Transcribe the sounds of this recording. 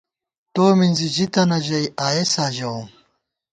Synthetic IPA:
t̪oːminzid͡ʑit̪ɐnɐʑɐjʔaːesaːʑɐwum

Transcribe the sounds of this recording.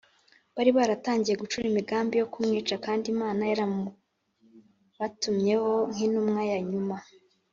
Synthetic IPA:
βaɾiβaɾataːɲɟijeɡut͡ʃuɾimiɡaːmbijo̞kumŋiːt͡ʃakaːndimaːnajaɾamu | βatumɲe̞ho̞ŋ̥inumŋajaɲuma

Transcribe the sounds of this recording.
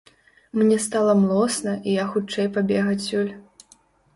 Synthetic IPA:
mnʲɛst̪alˠɐmlˠɔsnɐʔijaxut͡ʂɛjpabʲɛɣɐt͡sʲːulʲ

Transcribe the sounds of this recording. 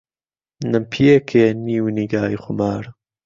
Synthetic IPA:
nɨmpʰijekʰeːniːwniːɡaːjxʊmaːɾ

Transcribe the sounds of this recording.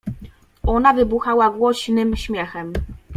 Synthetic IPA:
ɔnavɘbuxawavwɔɕnɘmɕmʲjɛxɛm

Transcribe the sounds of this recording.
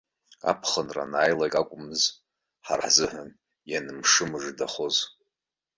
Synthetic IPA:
a̰pʰχənra̰naːjlakʼakʷʼʊmɨz | ħaraħzɨħʷan | janɨmʂɨmɨʐdaχo̞z

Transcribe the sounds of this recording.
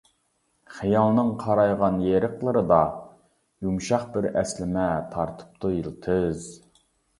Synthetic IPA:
χijɑlˠnɨŋqʰɑɾɑjʁɑnjeɾəqlˠɨɾɨd̪ɑ | jumʃɑχbɪɾɛslɪmɛt̪ʰɑɾt̪ʰɨ̥p̚t̪ʰujilˠt̪ʰɨz

